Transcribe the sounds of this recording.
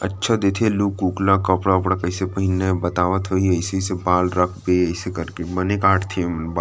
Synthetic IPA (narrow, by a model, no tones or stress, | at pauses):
ətːʃʰad̪eːt̪ʰeluːkːuːklakəpɽapɽakəɪsepəɦɪnːabət̪aːʋət̪ɦoiɐɪsesebaːlɾəkʰbeəɪsekəɾkebənekaːʈʰt̪ʰẽmnb